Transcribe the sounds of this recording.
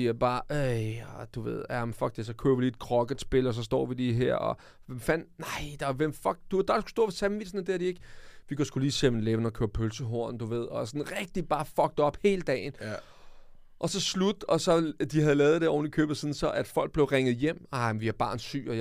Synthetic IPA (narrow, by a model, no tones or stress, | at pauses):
ib̥ɑ̈ːʔeɪɒd̥uʋe̝ð̰ˠæmnfɒ̽ɡ̥̚d̥esɒkʰø̰ːɐʋiliːed̥̚kʰʁɒɡ̥əsb̥e̝lɒs̬ɒ̽sd̥ɒ̰ːʋidiɦeɐ̰ɒ | ʋemfæn̰nɑ̈ɪd̥ɑʋemfɒɡ̥̚d̥ud̥d̥sku̥sd̥o̝ɐfesʰæmʋid̥sn̩d̥eæɐɾ̥ie̝ɡ̥ʋikʰɒsɡ̥uliːsem̰n̩leʋn̩ɒkʰøːɐpʰølsəɦo̝ɐ̰nd̥uʋe̝ð̞̰ˠɒ̽sɔ̽nʁɛɡ̥̚d̥ib̥ɑ̈ːfɒ̽ɡ̥̚d̥ɒ̽b̥he̝ːləd̥ɛ̰ːn̩ | ʔɒ̽sɒ̽slud̥ɒ̽sɒ̽d̥ihæðˠlɛːð̩ˠd̥eɒ̰ʊ̰n̩d̥ikʰø̰ːb̥ɐðˠsiːn̩sɒ̽ʔæd̥fɒ̽l̰ɡ̥̚b̥le̝ʊʁeŋəð̩ˠjem̰ɑmʋiæb̥ɑ̈ːnsy̰ːɒ